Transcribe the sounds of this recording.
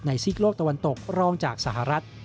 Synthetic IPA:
na˧jsi˦˥k̚loː˥˩k̚t̪a˧wa˧nt̪o˨˩k̚ɾɔː˥˩ŋt͡ɕaː˨˩k̚sa˧˩ɦa˧ɾa˦˥t̪̚

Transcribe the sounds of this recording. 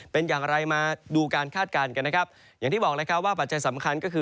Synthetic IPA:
pe˧njaː˨˩ŋɾa˧jmaː˧duː˧kaː˧nkʰaː˥˩t̪̚kaː˧nka˧nːa˦˥kʰa˦˥p̚ | jaː˨˩t̪ʰiː˥˩bɔː˨˩k̚laː˧˥kʰa˦˥p̚waː˥˩pa˨˩t̪̚t͡ɕa˧jsa˩˦mkʰa˧nkɔː˥˩kʰɯː˧

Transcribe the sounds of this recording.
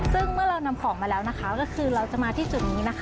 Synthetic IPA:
sɯ˥˩ŋmɯ˥˩ɐɾa˧wna˧mkʰɔː˩˦ŋmaː˧lɛː˦˥wna˦˥kʰa˦˥kɔː˥˩kʰɯː˧ɾa˧wt͡ɕa˨˩maː˧t̪ʰiː˥˩t͡ɕu˨˩t̪̚niː˦˥na˦˥kʰ

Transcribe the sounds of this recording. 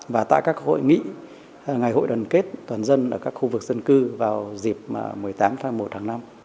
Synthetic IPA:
vaː˨˩t̪a̰ː˧˨kaː˦˥kho̰˧˨jŋḭ˧˨˩ | ŋa˨˩jɦo̰˧˨jɗə˨˩nke˦˥t̚t̪waː˨˩nzə˧nʔəː˧˩kaː˦˥k̚xu˧vɨ˨˩k̚zə˧nkɨ˧vaː˨˩wzi˨˩p̚ma̰ː˨˩mɨ˨˩əjt̪aː˨˦mfaː˧jmo˨˩t̚hʰaː˨˦ŋna˧m

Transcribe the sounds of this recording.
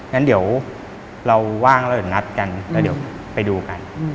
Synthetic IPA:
na˦˥ndi˩˦əw | ɾa˧wːaː˥˩ŋː˧˦˥di˩˦na˦˥t̪̚ka˧nlɛː˦˥wdi˩˦w | pa˧jduː˧ka˧n

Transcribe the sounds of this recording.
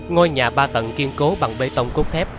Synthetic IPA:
ŋɔ˧jɲaː˨˩ɓaː˧t̪ə̰˧˨nki˧ənko˨˦ɓa˨˩ŋɓe˧t̪ə˧wŋ͡mko˦˥k͡p̚t̪ʰɛ˦˥p̚

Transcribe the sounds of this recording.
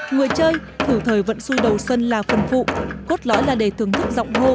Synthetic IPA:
ŋɨ˨˩əjt͡ɕəː˧j | t̪ʰɨ˧˩t̪ʰəː˨˩jvə̰˧˥nsu˧jɗə˨˩wswə˧nlaː˨˩fə˨˩nfṵ˧˨ko˦˥t̚lɔ̰˧˥jlaː˨˩ɗe˧˩t̪ʰɨ˧˩əŋt̪ʰɨ˦˥k̚zɔ̰˧˨wŋ͡mɦo˧

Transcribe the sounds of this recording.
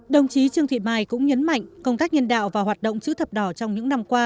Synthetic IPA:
ɗə˨˩wŋ͡mt͡ɕi˨˦t͡ɕɨ˧əŋt̪ʰḭ˧˨maː˧˩jkʊ̰˧˥ŋ͡mɲə˨˦nma̰˧˨jŋ̟kə˧wŋ͡mt̪aː˦˥k̚ɲə˧nɗa̰ː˧˨wvaː˨˩ɦwaː˨˩t̚ɗə̰˧˨wŋ͡mt͡ɕɨ̰˧˥t̪ʰə˨˩p̚ɗɔ˧˩t͡ɕɔ˧wŋ͡mɲɨ̰˧˥ŋna˧mkwaː˧

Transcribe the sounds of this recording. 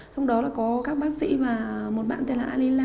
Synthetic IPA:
t͡ɕɔ˧wŋ͡mɗɔ˨˦laː˨˩kɔ˨˦kaː˦˥k̚ɓaː˨˦t̚sḭ˧˥maː˨˩mo˨˩t̚ɓa̰ː˧˨nt̪e˧˩nla̰ː˧˨˧li˧laː˧

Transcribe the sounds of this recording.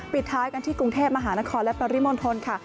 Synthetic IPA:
pi˨˩t̪ʰːaː˦˥jka˧nt̪ʰiː˥˩kɾu˧ŋt̪ʰeː˥˩p̚ma˧ɦaː˩˦na˦˥kʰɔː˧nlɛ˦˥pɾa˧ɾi˦˥mo˧nt̪ʰo˧nkʰa˥˩

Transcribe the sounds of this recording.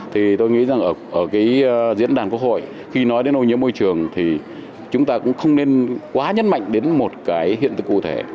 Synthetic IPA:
t̪ʰi˨˩t̪o˧jŋḭ˧˥za˨˩ŋʔəː˧˩ʔəː˧˩kaː˨˦jzḭ˧˥ənɗaː˨˩nkwək̚ho̰˧˨j | xi˧nɔ˨˦jɗe˨˦nʔo˧jɲḭ˧˥əmo˧jt͡ɕɨ˨˩əŋt̪ʰi˨˩ | t͡ɕʊ˨˦ŋ͡mt̪aː˧kʊ̰˧˥ŋ͡mxə˧wŋ͡mne˧nkwaː˨˦ɲə˦˥nma̰˧˨jŋ̟ɗe˨˦nmo˨˩t̚kaː˨˦jhḭ˧˨ənt̪ɨ̰˧˨kṵ˧˨t̪ʰe˧˩

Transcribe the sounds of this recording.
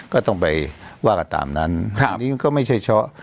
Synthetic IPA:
kɔː˥˩t̪ɔ˥˩ŋpa˨˩jwaː˥˩ka˧˨˩t̪a̰ː˨˩mna˦˥n˧˨niː˦˥ma˧˦nkɔː˥˩ma˥˩jt͡ɕʰa˥˩jt͡ɕʰɔ˦˥ʔ

